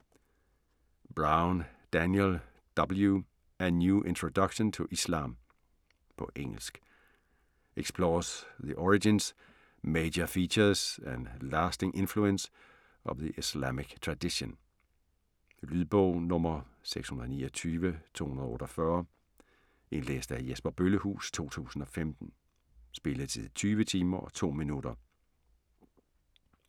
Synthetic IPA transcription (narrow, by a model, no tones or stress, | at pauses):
b̥ʁɑʊnd̥ænjel | d̥ɒb̥l̩ˠju | ænjuːʔe̝nt͡sʰʁod̥ʌɡ̥ɕɔnt͡sʰo̝ʔislɑ̰̈ːm | pʰɒ̽ʔeŋ̰l̩sɡ̥ | eɡ̥spʰlɔːsðiʔɒɹid͡ʒins | meɪd͡ʒɐfit͡ɕɐsænlæːsd̥eŋʔe̝nfluəns | ʔɒ̽ʋðiʔislæmiɡ̥t͡sʰʁɑd̥iɕon | lyðˠb̥ɔʊ̰nɔ̽mɐseɡ̥shunɐð̩ˠnḭːɐt͡sʰyːʋət͡sʰo̰ːhunɐð̩ˠɔːɾɒfɶɐ | ʔe̝nlḛːsd̥æjesb̥ɐb̥øləhṵːst͡sʰo̝̰ːt͡sʰṵːsn̩ɒ̽femd̥n̩ | sb̥e̝ləðˠt͡sʰið̰ˠt͡sʰyːʋət͡sʰiːmɐʔɒ̽t͡sʰo̝̰ːminud̥ɐ